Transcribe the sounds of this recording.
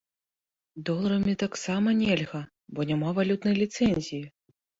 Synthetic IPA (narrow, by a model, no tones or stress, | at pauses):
d̪ɔlˠɐɾɐmʲit̪aksamɐnʲelʲɣɐ | bɔnʲamavalʲut̪nɐjlʲit̪sɛnʲzʲiji